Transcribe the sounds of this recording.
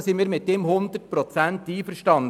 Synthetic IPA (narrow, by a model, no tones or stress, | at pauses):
sinmiːɾmɪt̚demhʊnd̪ət̚pɾɔt͡sænt̪iːfəɾʃtɑn